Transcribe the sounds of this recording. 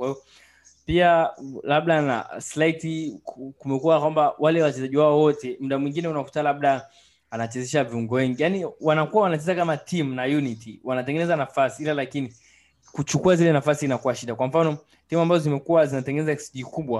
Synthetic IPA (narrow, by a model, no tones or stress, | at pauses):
kwaiɔ | pialaɓɗana̰slatikumɛkuwakwambawalɛwat͡ʃɛzaʄiwaɔwɔtɛm̩ɗamwiŋɡinɛunaku̥talaɓɗaː | nat͡ʃɛzɛʃaviuŋɡɔwɛŋɡijaniwanakuwawanat͡ʃɛzakamatimunajunitiwanatɛŋɡɛnɛzanafasiilalakini | kut͡ʃukuazilɛnafasiːnakuwaʃiɗakwam̩fanɔ | timuambazɔzimɛkuwazinatɛŋɡɛnɛzakisʄikuɓwa